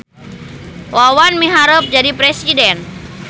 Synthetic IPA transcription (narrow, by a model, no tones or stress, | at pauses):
wawanmiɦaɾəp̚d͡ʒadipɾɛsidɛn